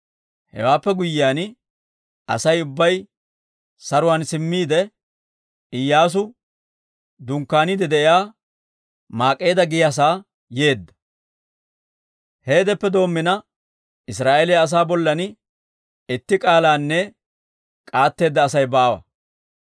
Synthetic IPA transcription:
hɛ̰waːpːɛɡʊjːɪaːn | ɐ̰sɐjʊbːɐj | sɐɾʊwaːnsɪmːiːd̪ɛ | ɪjːaːs̬ʊ | d̪ʊŋkːaːniːd̪ɛd̪ɛʔɪjaː | maːkʼːe̞ːd̪ɐɡɪjas̬aː | je̞ːd̪ːɐ̥ | he̞ːd̪ɛpːɛd̪o̞ːmːɪnɐ | ɪs̬ɾaːʔelɛɐs̬aːbɔlːɐn | ɪt̪ːɪkʼaːlaːnːɛ | kʼaːt̪ːe̞ːd̪ːɐːsɐjbaːwɐ̰

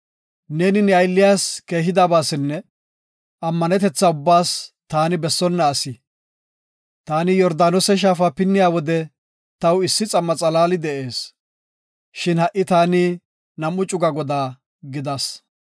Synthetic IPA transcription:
ne̞ːnɪnɪɐjlːɪjaːske̞ːɦɪd̪aːbaːsɪnːɛ | ʔɐmːɐnɛt̪ɛt͡sːaʊbːaːst̪aːnɪbɛsːɔnːɐːsɪ | t̪aːnɪjɔɾd̪aːnɔsɛʃ̬aːfɐpɪnːɪjaːwɔd̪ɛ | t̪ɐwɪsːɪt͡sʼɐmːɐt͡sʼɐlaːlɪd̪ɛʔe̞ːs | ʃɪnhɐʔɪt̪aːnɪ | nɐmːʊt͡ʃʼʊɡɐɡɔd̪aː | ɡɪd̪as

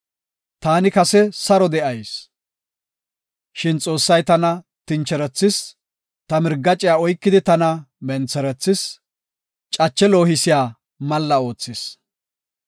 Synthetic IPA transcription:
t̪aːnɪkɐsɛsɐɾɔd̪ɛʔɐjs | ʃɪnt͡sʼo̞ːsːɐjt̪ɐnɐ | t̪ɪnt͡ʃːɛɾɛt͡sːɪs | t̪ɐmɪɾɡːɐt͡ʃʼɪjaːɔjkːɪd̪ɪt̪ɐnɐmɛnt͡sɛɾɛt͡sːɪs | t͡ʃʼɐt͡ʃːɛlo̞ːhɪsɪjaː | mɐlːɐo̞ːt͡sːɪs

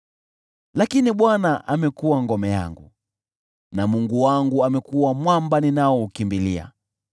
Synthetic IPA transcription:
lakiniɓwanaʔamɛkuwaŋɡɔmɛja̰ŋɡṵ | namuŋɡuwaŋɡuamɛkuwamwambaninaɔukimbilia̰

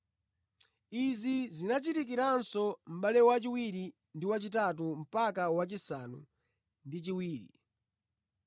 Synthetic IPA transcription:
izizinat͡ʃitik̬iɾansɔm̩ɓalɛwat͡ʃiwiɾi | ndiwat͡ʃit̬at̬um̩pakawat͡ʃisanṵ | ndit͡ʃiwiːɾḭ

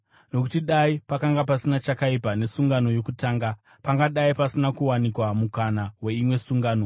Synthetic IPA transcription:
no̞kutiɗaipakaŋɡapasinat͡ʃakaipane̞suŋɡano̞jo̞kutaːŋɡa | paŋɡaɗaipasinakuwanikwamukanawe̞imwe̞suŋɡaːno

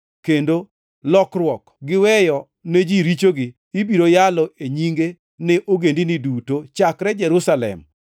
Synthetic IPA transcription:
kendo | lɔkrwɔk | ɡɪwɛjɔ | ned͡ʒiɾit͡ʃoɡɪːbiɾojalɔʔeɲiŋɡe | nɛʔoɡendinidutot͡ʃakɾɛd͡ʒɛɾusalɛ̰m

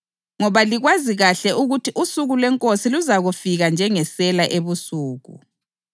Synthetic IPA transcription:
ŋɔβaliɣwaziɣaɬɛʔuɣutʰiʔusuɣulwɛŋkʼosiluzaɣufiɣand͡ʒʱɛŋɛsɛlaʔeβusuːɣṵ

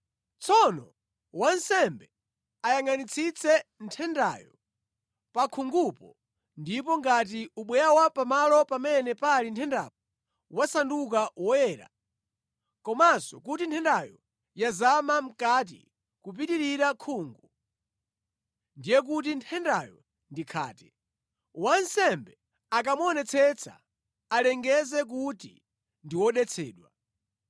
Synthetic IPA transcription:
t͡sʰɔnɔ | wansɛmbɛ | ajaŋanit͡sʰit͡sʰɛntʰɛnda̰jɔ | pakʰuŋɡupɔ | ndipɔŋɡat̬iuɓwɛjawapamalɔpamɛnɛpalintʰɛnda̰p̚ɔ | wasandukawɔjɛːɾa̰ | kɔmasɔ̰kutintʰɛndajɔ | jazamam̩kat̬ḭ | kup̬itiɾiɾakʰuːŋɡu | ndijɛk̬ut̬intʰɛndajɔ̰ | ndikʰa̰ːtɛ | wansɛmbɛ | ak̬amɔnɛt͡sʰɛt͡sʰa̰ | alɛŋɡɛzɛk̬utḭ | ndiwɔɗɛt͡sʰɛ̰ːɗwa

